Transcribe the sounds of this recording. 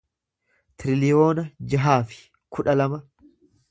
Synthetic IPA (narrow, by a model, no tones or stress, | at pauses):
t̪ɪɾɪlɪjo̞ːnɐd͡ʒɐɦaːfɪ̥ | kʰʊᶑɐlɐmɐ